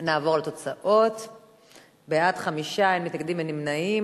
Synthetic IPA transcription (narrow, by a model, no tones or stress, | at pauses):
naːvo̞ʁleto̞t͡saʔo̞t | beatχamiʃaemitnakɡd̪imenimnaim